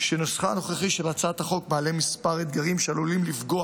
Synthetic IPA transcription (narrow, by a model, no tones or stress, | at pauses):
ʃenosχano̞χeχiʃe̞lat͡saat̪haχo̞k̚baːle̞mispaʁed̪ɡaʁimʃealolimlifɡo̞a